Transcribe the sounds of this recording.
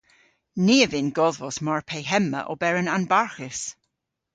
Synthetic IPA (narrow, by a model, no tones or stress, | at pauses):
niːəvɪnɡɔðvɔsmaɹpʰejɦɛmə̰ʔɔ̰bɛɹənanbaɹxɪs